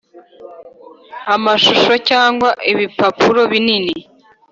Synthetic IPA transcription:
amaʃuʃocaːŋɡwaʔiβipapuɾo̞βinini

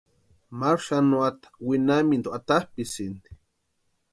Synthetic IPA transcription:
maɾʃanuat̪ḁwinamind̪uat̪ahpisind̪i

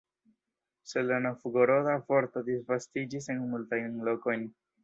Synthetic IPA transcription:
selenofuɡoɾodafo̞ɾto̞disvastid͡ʒis̬e̞nmultajnnlo̞ko̞jn

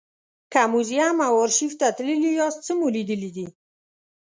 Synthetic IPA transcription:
kamuzijamawɔɾʃift̪at̪lilujɑst͡səmolid̪əlid̪i

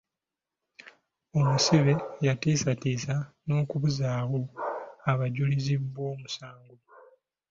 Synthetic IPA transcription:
o̞musiβe̞jatiːsatiːza | no̞ːkuβuzaːwo̞aβaɟulizibːwo̞ːmusaːŋɡo

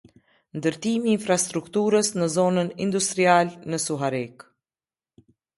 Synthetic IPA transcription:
nd̪əɾt̪imiːnfɾast̪ɾukt̪uɾəsnəzɔnənḭnd̪ust̪ɾialnəsuɦaɾik

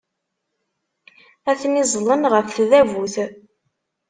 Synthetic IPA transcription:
æθnizˤlˤːənʁəfθðævuθ

